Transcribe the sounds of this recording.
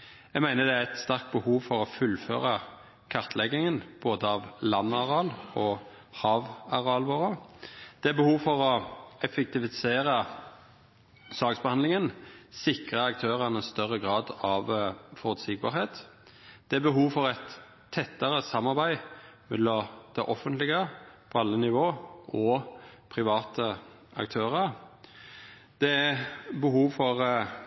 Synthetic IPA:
æɪɡmæɪnəd̪ɛæɾæt̪st̪ɑʁkt̪̚bəhuːʋfɔʁɔfʉlfø̰ːʁɑ | kʰɑʁt̪ʰlɛɡɪŋənb̥oːd̪əɑʋlɑnːɑʁɑlɔ | hɑːʋɑʁɑlʋoːɾəd̪̥ɛæbəhuːʋfɔʁɔɛfɛk̚t̪ɪʋɪseːʁə | sɑːɡsbəhɑnlɪŋənsɪkʁəɑk̚t̪ʰøːʁɑnəst̪œʁːəɡʁɑːd̪ɑʋfɔʁʉt̪sɪɡ̚bɑ̰ːɾheːt̪ | d̪̥ɛæɾbəɦuːʋfɔɾæt̪ʰː | ɛt̪ːəʁəsɑmːɑʁbæɪmɛlːɔd̪̥ɛʔɔfːənt̪lɪɡəpʰɔɑlːənɪʋoːʔɔpʰʁɪʋɑːt̪ʰə | ɑ̰k̚t̪ʰøːʁəʁ | d̪̥ɛæbəhuːʋfɔʁ

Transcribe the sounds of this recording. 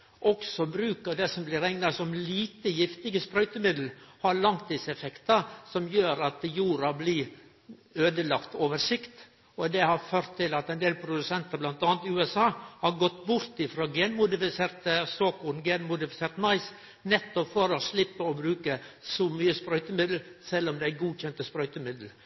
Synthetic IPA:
ʔɔksɔbɾʉːkəd̪ɛsɔmblɪɾɛŋnɑsɔmliːt̪əjɪft̪ɪɡəspɾœʏt̪əmɪd̪l̩hɑɾɭɑŋt̪ʰɪsɛfɛkt̪ɑsɔmjøːɾɑt̪juːɾɑblɪ | øːd̪əlɑkt̪oːʋəɾʂɪkt̪ | ɔd̪ɛhɑɾføːɾt̪ʰːɪlɑt̪ɛɪnd̪eːlpʰɾʊd̪ʉsɛnt̪ɑɾblɑnt̪ɑːnt̪ʉːɛsɑːhɑɾɡɔt̪ːbʊɾt̪ɪfɾoːɡeːnmʊd̪ɪfɪseːɾt̪əsoːkʊnɡeːnmʊd̪ɪfɪseːɾt̪mɑɪs | nɛt̪ːɔpfɔɾɔslɪpːəɔbɾʉːkəsɔmyːəspɾœʏt̪əmɪd̪l̩sɛlːɔmd̪ɛɡuːçɛnt̪əspɾœʏt̪əmɪd̪l̩

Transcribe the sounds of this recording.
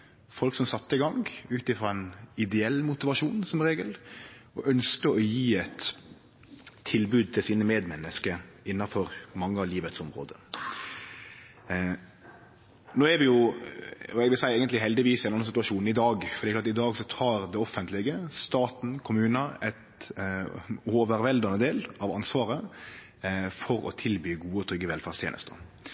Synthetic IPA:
fɔlksɔmsɑt̪ːəɪɡɑŋʉːt̪ɪfɾɑɛnɪd̪ɛɛlːmʊt̪ɪʋɑʂuːnsɔmɾeːɡəlɔʔœnskəɔjiːɛt̪ | ɪlbʉːd̪̚t̪ʰɪlsiːnəmeːd̪mɛnːəskəɪnːɑfɔɾmɑŋːəɑʋliːʋət̪sɔmɾo̰ːd̪ə | noːɛɾʋɪjʊ | ɔɛɡʋɪlsæɪæːɡənt̪lɪɦɛld̪ɪʋiːsɛnɔnːɑnsɪt̪ʉɑʂuːnn̩ɪd̪ɑːɡfɾdɛklɑɾɑt̪ɪd̪ɑːɡsɔt̪ʰɑːɾd̪ɛɔfːənt̪ʰlɪɡəst̪ɑːt̪n̩kʰʊmʉːnəʔɛt̪ | oːʋəɾʋɛld̪ɑnəd̪eːlɑʋɑnsʋɑːɾə | fɔɾɔ̰t̪ʰɪlbyːɡuːəɔt̪ʰɾʏɡːəʋɛlfæːʁst̪ʰjḛːnə̰st̪ə̰

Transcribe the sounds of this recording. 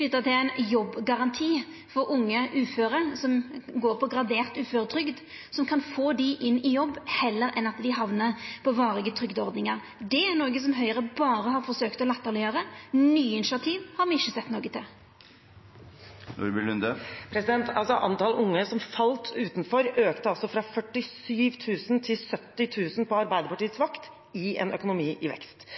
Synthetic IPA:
lʏt̪ːət̪ʰɪlæɪnjɔbːɡɑʁɑnt̪ʰiː | fɔɾʊŋːəʔʉːføːɾəsɔmɡoːɾpʰɔɡɾɑd̪eːʁt̪ʉːføːɾət̪ʰɾʏɡd̪ | sɔmkʰɑnfoːd̪ɪʔɪnːɪjɔbːhɛlːəɾɛnɑt̪d̪ɪɦɑʋnəɾpʰɔʋɑːʁɪɡət̪ʰʁʏɡd̪ɔʁd̪nɪŋɑʁ | d̪ɛæʁnoːɡəs̬ɔmɦœʏəʁəbɑːɾəɦɑɾfɔʁsøːkt̪ɔlɛt̪ːəʁlɪjøːɾənyːɪnɪʃɑt̪ʰiːʋhɑɾmɪɪçːəsɛt̪noːɡət̪ʰɪl | nṵɾbɪlnd̪əpʰɾɛsɪd̪ɛnt̪ʰɑ̰lsɔʔɑ̰nt̪ɑlʔʊŋːəsɔmfɑlt̪ʰʉːt̪nfɔɾøːkt̪əɑlsɔfɾɑfœʈːɪsyːʋt̪ʰʉːsənt̪ʰɪlsœt̪ːɪt̪ʰʉːsn̩pʰɔɑɾbæɪd̪əpɑʈiːət̪sʋɑkt̪ | ɪɛ̰nœ̰kʊnʊmiːʔɪʋɛ̰kst̪

